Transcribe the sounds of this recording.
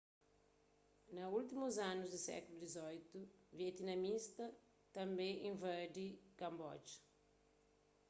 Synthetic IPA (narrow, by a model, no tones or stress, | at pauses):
nɐult̪imuzãnʊzd̪ɪsɛ̰kulud̪izɔjt̪uviɛt̪inɐmist̪ɐ | t̪ɐ̃mbẽjʔẽvɛɾd̪ikɐ̃mbɔd͡ʒ